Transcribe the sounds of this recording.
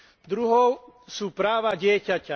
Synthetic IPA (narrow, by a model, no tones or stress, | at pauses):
d̪ɾuɦɔʊsuːpɾaːʋaɟɪɛcaca